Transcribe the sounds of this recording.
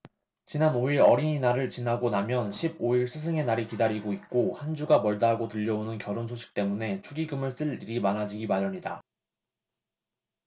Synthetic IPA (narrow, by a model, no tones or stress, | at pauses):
t͡ɕinanoiɾʌɾiɲinaɾɯɭt͡ɕinaɡonamjʌnɕʰiboiɭsʰɯs̬ʰɯŋe̞naɾikidaɾiɡoit̚k͈ohand͡ʑuɡamʌɭdaɦaɡotɯʎːʌonɯnkjʌɾonsʰoɕʰi̥k̚t͈e̞mune̞t͡ɕʰuɡiɡɯmɯɭs͈ɯɭiɾimanɦad͡ʑiɡimaɾjʌɲida̰